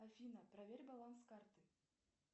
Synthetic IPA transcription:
afʲinaprɐvʲeɾʲbalˠanskart̪ɨ

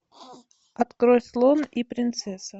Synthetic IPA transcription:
ɐt̪kɾojslˠonipɾʲɪnt̪sɛsə

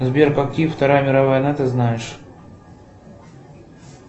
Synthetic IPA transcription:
zbʲerkɐkʲift̪ɐɾajəmʲɪɾɐvajənat̪ɨznajɪʂ

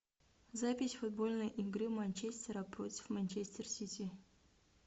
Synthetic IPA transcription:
zapʲɪsʲfʊd̪̚bolʲnəjʔɪɡɾɨmanʲt͡ɕesʲt̪ʲəɾɐpɾot̪ʲɪ̥fmanʲt͡ɕesʲt̪ʲersʲit̪ʲi

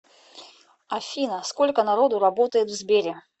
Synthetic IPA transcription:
afʲinɐskɔlʲkənaɾɔd̪uɾabɔt̪əjɪt̪vzʲbʲeɾʲɪ

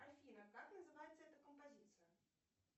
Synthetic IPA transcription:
alʲfʲinɐkaknɐzɨvajɛt̪sːəɛt̪əkəmpazʲit̪sɨjɐ

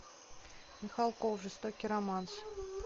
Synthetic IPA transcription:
mʲɪxalˠkofʐɨst̪okʲiɾɐmans

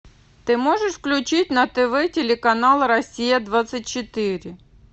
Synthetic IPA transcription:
t̪ɪmɔʒeʂfklʲʊt͡ʃɪtʲnɐt̪eʋɛtʲelʲɪkɐnɑlˠɐɾɐsʲijɐd̪ʋat̪sɐt̚ʲt͡ʃɪt̪ɪɾʲɪ

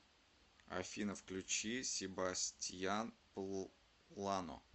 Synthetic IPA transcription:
ɐ̰fʲinəfklʲʉt͡ɕisʲɪbasʲtʲjanpə | lˠano̰

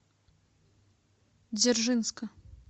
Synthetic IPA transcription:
d͡zʲɛrʐɨnskɐ

